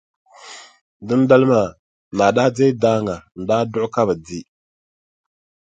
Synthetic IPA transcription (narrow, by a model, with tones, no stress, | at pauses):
dɨ˦nda˦lɨ˦ma˨ | naː˨daː˦de˦jdaː˦ŋa˨n̩˨daː˦dʊ˦ʔʊ˦ka˦bɨ˨di˦